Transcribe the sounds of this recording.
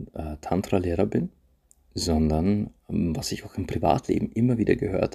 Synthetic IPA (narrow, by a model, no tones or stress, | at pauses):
ʔɛtʰantʁ̥aleːʁɐbɪn | zɔndɐnvasɪçaʊxɪmpʁ̥iva̰ːtʰlḛːbm̩ʔɪmɐviːdɐɡəhø̰ːɐt